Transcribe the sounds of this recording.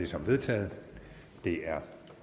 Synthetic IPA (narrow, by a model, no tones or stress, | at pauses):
e̝sɒ̽mʋe̝ð̞ˠt͡sʰɛ̰ːð̩ˠ | d̥e̝æɐ